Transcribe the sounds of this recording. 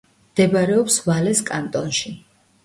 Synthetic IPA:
md̪̥ɛbaɾɛɔpsvalɛskʼant̪ʼɔnʃi

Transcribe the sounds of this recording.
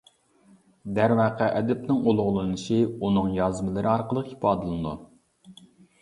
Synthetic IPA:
d̪æɾmɑqʰæʔɛd̪ɛp̚nɪŋolˠʊʁlˠɨnɨʃiunɨŋjɑzmɨlˠɨɾʔɨɑɾqəlˠəqipɑːd̪ɨlˠɨd̪u

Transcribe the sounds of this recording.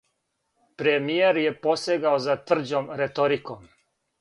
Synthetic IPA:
pɾemijeɾje̞poseɡaozat̪vr̩d͡ʑomɾet̪oɾikom

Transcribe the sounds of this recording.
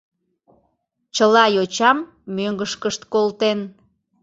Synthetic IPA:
t͡ɕəlɑjot͡ɕɑmː | øŋɡəʃkəʃt̪kolt̪en

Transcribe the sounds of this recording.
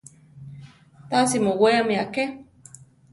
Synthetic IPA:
t̪asimoweamiake

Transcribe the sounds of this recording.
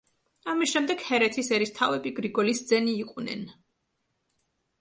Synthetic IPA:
amisʃɛmd̪ɛɡ̥hɛɾɛt̪ʰisɛɾist̪ʰavɛbiɡɾiɡɔlisd̪zɛniːqʼwnɛ̰n

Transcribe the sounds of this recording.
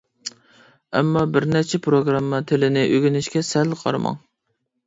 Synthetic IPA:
ɛ̰mːɑbɪɾnɛt͡ʃʰɛpʰɾoɡɾɑmːɑt̪ʰɪlɪnɪʔøɡʲynɪʃkʲɛsɛlqʰɑ̰ɾmɑ̰ŋ

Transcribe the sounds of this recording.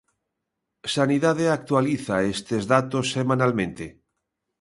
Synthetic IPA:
saniðaðeak̚t̪waliθaest̪ezðat̪osːemãnalmẽnt̪e

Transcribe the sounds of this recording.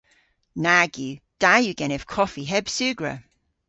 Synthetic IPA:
naɡjʉd̥ajʉɡɛñɪv̥kʰɒfiɦɛb̥sʉːɡɹə̰

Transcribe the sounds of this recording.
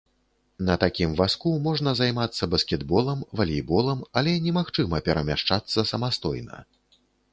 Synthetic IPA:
nɐt̪akʲimvaskumɔʐnɐzajmat̪sːɐbɐskʲɛd̪bɔlˠɐmvɐlʲijbɔlˠɐmɐlʲɛnʲɛmaxt͡ʂɨmɐpʲɛɾɐmʲaʂt͡ʂat̪sːɐsɐmast̪ɔ̰jnɐ̰

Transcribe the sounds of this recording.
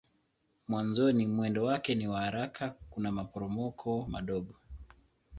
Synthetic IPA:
mwanzɔnimwɛndɔwakɛniwahaɾakʰakunamapɔɾɔmɔkʰɔma̰ɗɔɠɔ

